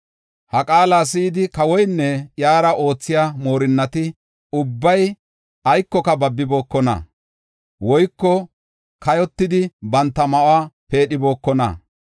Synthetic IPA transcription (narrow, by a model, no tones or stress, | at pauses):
hɐkʼaːlaːs̬iːd̪ɪkɐwɔjnːɛjaːɾɐʔo̞ːt͡sːɪjaːmo̞ːɾɪnːɐt̪ɪ | ʊbːɐj | ɐjkːɔkɐbɐbːɪbo̞ːkːɔnɐ̰ | wɔjkːɔ | kɐjɔt̪ːɪd̪ɪbɐnt̪ːɐmɐʔwaːpe̞ːɗɪbo̞ːkːɔnɐ̰